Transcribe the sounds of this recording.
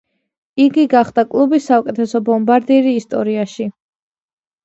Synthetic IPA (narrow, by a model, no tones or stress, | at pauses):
iɡiɡaχd̪̥akʼlˠubisːaukʼɛt̪ʰɛsɔbɔmbaɾd̪iɾiːst̪ʼɔɾiaʃi